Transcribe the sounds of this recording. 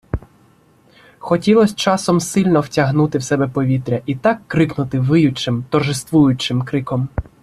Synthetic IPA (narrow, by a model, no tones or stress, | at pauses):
xɔtʲilˠɔsʲt͡ʃɑsɔmsɪlʲnɔwtʲɐɦnut̪ɪwsɛbɛpɔʋʲit̪ɾʲɐʔit̪ɑkːɾɪknʊt̪ɪʋɪjʊt͡ʃɪmt̪ɔrʒɪst̪ʋujʊt͡ʃɪmkɾɪkɔm